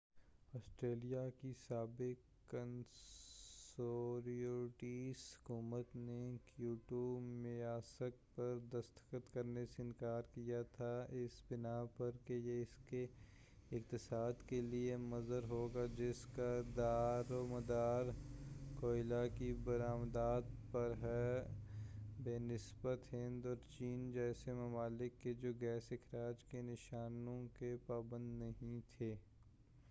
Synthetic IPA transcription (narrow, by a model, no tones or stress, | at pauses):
ɔːsʈɾeːlijakisaːbɪkː | ən | oːɾioːɾʈishʊ̥kuːmət̪nekjuːʈomɪaːsək̚pɐɾd̪ɐst̪ə̥kət̪kɐɾneseɪnkaːɾkijat̪ʰaɪsbɪnapɐɾkejeɪske | ɪkt̪ɪsaːd̪keliemɐzəɾɦoːɡad͡ʒɪskad̪aːɾoməd̪aːɾkoːɪlakibɐɾaːmd̪aːd̪pɐɾɦɛ | beːnɪsbət̪ɦɪ̃nd̪ɔːɾt͡ʃiːnd͡ʒɛːsemɐmaːlɪkːed͡ʒoːɡɛːsɪkʰɾaːd͡ʒkenɪʃaːnõkepaːbə̃nd̪nɐɦĩt̪ʰeː